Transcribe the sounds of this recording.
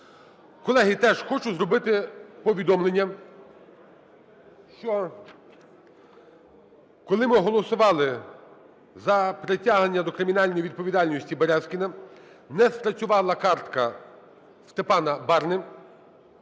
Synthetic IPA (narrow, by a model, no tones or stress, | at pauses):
kɔlˠɛɦit̪ɛʒxɔt͡ʃʊzɾɔbɪt̪ɪpɔʋʲid̪ɔmlˠenʲːɐ | ʃt͡ʃɔ | kɔlˠɪmɪɦɔlˠɔsʊʋɑlˠɪ | zɐpɾetʲaɦ̪enʲːɐd̪ɔkɾɪmʲinɑlʲnɔjʋid̪̚pɔʋʲid̪ɑlʲnʲɔsʲtʲibeɾɛskʲinɐ | nɛspɾɐt͡sʲʊʋɑlˠɐkɑrt̪kɐ | st̪epɑnɐbɑɾnɪ